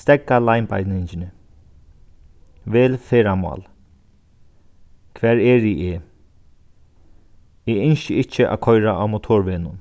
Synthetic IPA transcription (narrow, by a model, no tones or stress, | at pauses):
st̪ɛkːalajnpa̰jt̪nɪɲt͡ʃɪnɪ | ʋeːlfeːɾamɔ̰ːl | kʰʋɛːɹɛːɹiʔeː | eɪnʃɪɪt͡ʃːɪʔa̰ːkʰɔjɾaʔamʊt̪ʰoːɹʋɪːnʊn